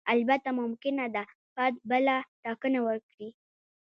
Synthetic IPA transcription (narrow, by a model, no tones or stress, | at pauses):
albat̪amʊmkɪnad̪a | pat̪̚bəlaʈɑkənawəɾkɽi